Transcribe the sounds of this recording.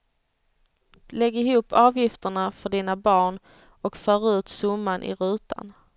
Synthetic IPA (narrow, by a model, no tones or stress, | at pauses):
lɛɡːɪɦuːpʰːɑːvjɪft̪əɳafœɖiːnabɑːɳ | ɔkfœːɾaʉ̟ːt̪sɵmːanʔɪ̰ɾʉ̟ːt̪ʰa̰n